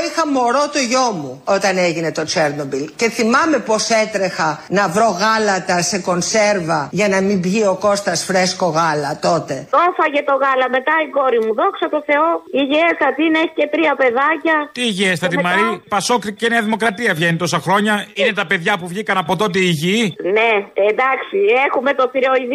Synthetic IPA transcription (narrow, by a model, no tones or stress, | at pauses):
ixɐmo̞ɾot̪oʝomuot̪ɐneʝinet̪o̞t͡ʃeɾnobilce̞θimɐme̞po̞set̪ɾexɐnɐvɾo̞ɣɐlɐt̪ɐseko̞nseɾvɐʝɐnɐmibʝio̞ko̞st̪ɐsfɾesko̞ɣɐlɐt̪o̞t̪e̞ofɐʝet̪o̞ɣɐlɐme̞t̪ɐiɡo̞ɾimuðoksɐt̪o̞θe̞oiʝiest̪ɐt̪ineçi̥ce̞t̪ɾiɐpe̞ðɐcɐt̪iːʝiest̪ɐt̪imɐɾipɐso̞kɾiceneɐðimo̞kɾɐt̪iɐvʝenit̪o̞sɐxɾo̞ɲɐine̞t̪ɐpe̞ðʝɐpuvʝikɐnɐpo̞t̪o̞t̪̬eiʝineend̪ɐksiexume̞t̪o̞θiɾoiði